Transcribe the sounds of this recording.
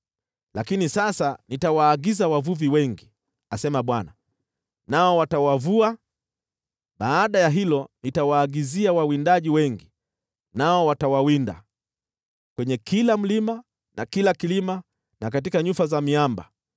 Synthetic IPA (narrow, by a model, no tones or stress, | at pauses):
lakinisasanitawaːɡizawavuviwɛŋɡi | asɛmaɓwana | naɔwatawavua | ɓaːɗajaɦilɔnitawaːɡiziawawindaʄiwɛŋɡi | naɔwatawawinda̰ | kwɛɲɛkʰilam̩lima | nakilakilima | nak̬atikaɲufazamiamba̰